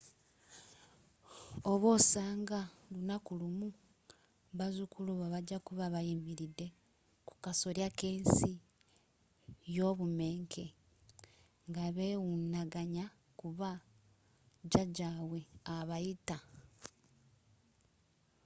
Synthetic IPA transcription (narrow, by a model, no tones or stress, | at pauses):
oβo̞ːsaːŋɡalunakulumu | βazukuluβaβaɟakuβaβajimiɾide̞ | ku̥kaso̞ɾjakeːnsi | jo̞βume̞ːŋkʰe̞ | ŋɡaβewunaɡaɲa | kuβa | d͡ʒaɟawe̞aβajita